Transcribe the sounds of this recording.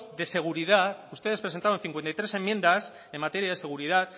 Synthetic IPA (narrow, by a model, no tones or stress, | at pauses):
ðe̞se̞ɣ̞uɾiðat̪ust̪e̞ðepɾesent̪an̟θiŋkwent̪ajt̪ɾese̞mːje̞nd̪as | e̞mːat̪e̞ɾijaðe̞se̞ɣ̞uɾiðat̪̚